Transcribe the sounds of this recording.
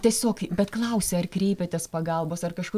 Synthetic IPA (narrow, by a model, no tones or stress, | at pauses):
tʲiɛsʲoːkbʲɛt̪klˠɐʊsʲɛːɐrkɾʲɛɪpʲet̪ʲespɐɡɐlˠboːsɐrkɐʃkʊ